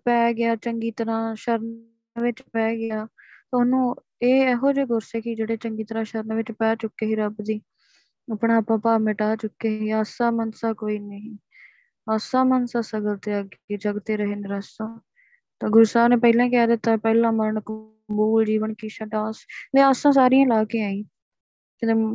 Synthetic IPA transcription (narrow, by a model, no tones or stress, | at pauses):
pɛːɡɪjaːt͡ʃəŋɡiːt̪əɾãːʃəɾn | ʋɪt͡ʃpɛːɡɪjaː | t̪ːʊnũː | eːɛɦoːd͡ʒeːɡʊɾseːkɪd͡ʒeːɽeːt͡ʃəŋɡiːt̪əɾãːʃəɾnʋɪt͡ʃpɛːt͡ʃʊkːeːɦiːɾəbd̪iː | apɳaːaːpãːpaːmɪʈaːt͡ʃʊkːeːɦɦiːaːsaːmənsaːkoːiːnəɦĩː | aːsaːmənsaːsəɡəlt̪eːəɡeːd͡ʒəɡt̪eːɾəɦeːnːɾasãː | t̪ãːɡʊɾsaːneːpəilãːkɛːd̪ɪt̪ːaːpɛːlãːməɾəɳkʊ | mbuːld͡ʒiːʋəɳkiːʃaʈaːsleːaːsãːs̬aːɾijãːlaːkẽːaːĩː | kɪe